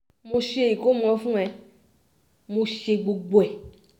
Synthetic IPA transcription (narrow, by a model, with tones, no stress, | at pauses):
mũ˧ʃe˧˨ji˨ko˦m̃˨ɔ̃˨˧fũ˦ɛ˨ | mũ˧ʃe˧ɡ͡bo˨ɡ͡bo˨ɛ˨